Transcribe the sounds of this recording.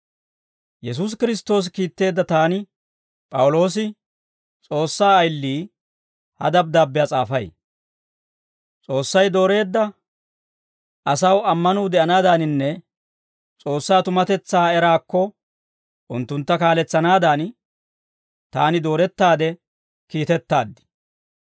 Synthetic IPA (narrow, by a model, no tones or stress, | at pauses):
jɛs̬us̬kɪɾɪst̪ːo̞ːs̬kiːt̪ːe̞ːd̪ːɐt̪aːnɪ | pʼɐwʊlo̞ːs̬ɪ | t͡sʼo̞ːsːaːɐjlːiː | hɐ̰d̪ɐb̚d̪aːbːɪjaːt͡sʼaːfɐj | t͡sʼo̞ːsːɐjd̪o̞ːɾe̞ːd̪ːɐ | ʔɐsɐwɐmːɐnuːd̪ɛʔɐnaːd̪anɪnːɛ | t͡sʼo̞ːsːaːt̪ʊmɐt̪ɛt͡sːaːɛɾaːkːɔ | ʔʊnt̪ːʊnt̪ːɐkaːlɛt͡sːɐnaːd̪aːn | t̪aːnɪd̪o̞ːɾɛt̪ːaːd̪ɛ | kiːt̪ɛt̪ːaːd̪ːɪ̥